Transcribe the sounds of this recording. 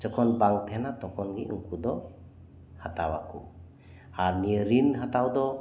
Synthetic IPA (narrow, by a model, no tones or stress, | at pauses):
d͡ʒɔkʰɔnbaŋt̪ʰɛnat̪ɔkʰɔnɡḭʔɯ̰ŋkud̪ɔ | hat̪awakʰṵ | aɾniəɾinɦat̪awd̪ɔ